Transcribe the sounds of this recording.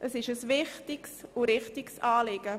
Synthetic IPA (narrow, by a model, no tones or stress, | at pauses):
ʔəsɪʃəsvɪχtɪksʊɾɪχtɪksɑːlɪɡ̥ə